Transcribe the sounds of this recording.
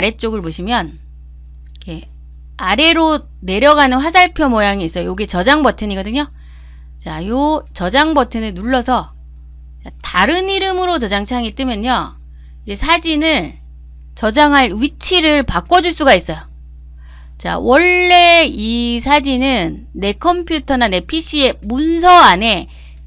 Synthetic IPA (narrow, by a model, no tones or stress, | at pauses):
ɾe̞t͡ɕ͈oɡɯɭpoɕʰimjʌn | ke | aɾe̞ɾo | ne̞ɾjʌɡanɯnɸwasʰaɭpʰjʌmojaŋiːs͈ʌjojoɡit͡ɕʌd͡ʑaŋbʌtʰɯɲiɡʌdɯɲo | t͡ɕajot͡ɕʌd͡ʑaŋbʌtʰɯnɯnuɭːʌsʰʌ | t͡ɕataɾɯniɾɯmɯɾot͡ɕʌd͡ʑaŋt͡ɕʰaŋit͈ɯmjʌɲo | id͡ʑesʰad͡ʑinɯɭ | t͡ɕʌd͡ʑaŋɦaɭɥit͡ɕʰiɾɯɭpak͈ʌd͡ʑuɭs͈uɡais͈ʌjo | t͡ɕa̰wʌɭːe̞isʰad͡ʑinɯnːe̞kʰʌmpʰjutʰʌnane̞pʰiɕ͈ʰie̞muns̬ʰʌane̞